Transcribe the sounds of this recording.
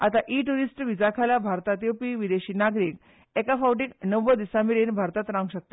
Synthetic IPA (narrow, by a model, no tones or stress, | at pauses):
at̪aʔiʈuɾisʈʋid͡zakʰalabʱaɾt̪at̪jopiʋid̪eɕiːnaɡɾiːk | ekafawʈiːknəʋəd̪isamiɾenbʱaɾt̪at̪ɾãŋɡɕək̚t̪a